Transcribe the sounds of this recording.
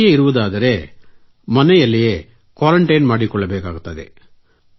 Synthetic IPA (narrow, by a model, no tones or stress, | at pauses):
jeiɾuʋɐd̪aːd̪ɐɾe̞ | mɐnɛjɐlːɛje | kʋaːɾɐɳʈɐjnmaːɽikɔɭːɐbɛːkaːɡut̪ːɐd̪ḛ